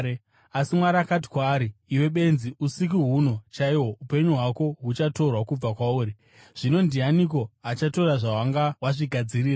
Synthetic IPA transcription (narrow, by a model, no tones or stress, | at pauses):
asimwaɾaːkat̬i̥kwaːɾiːwe̞ɓe̞nziusik̬iɦuno̞t͡ʃaiwo̞upe̞ɲuɦwako̞ɦut͡ʃato̞rwakub͡vakwauːɾi | ʐ̥ino̞ndianiko̞at͡ʃato̞raʐawaŋɡawaʐiɡʱad͡ziriːra